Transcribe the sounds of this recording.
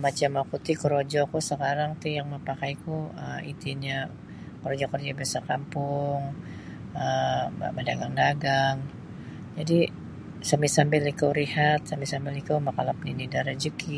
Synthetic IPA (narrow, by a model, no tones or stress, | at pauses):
mat͡ʃamakut̪ikəɾod͡ʒɔkusəkaɾaŋt̪ijaŋməpakajkuəit̪iɲa | kəɾod͡ʒɔkərd͡ʒabiasakampʊŋ | ə̰mədaɡaŋdaɡaŋ | d͡ʒadi | samisambɪlikawɾihat̪̚sambisambɪlikawmakalap̚ninidaɾad͡ʒəkʰi